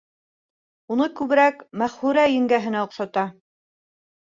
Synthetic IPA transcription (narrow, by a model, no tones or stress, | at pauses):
unɤkʉβɘ̆ɾækmæχhʉɾæjɘ̆ŋɡæɦɘ̆næŏqʃɑt̪ɑ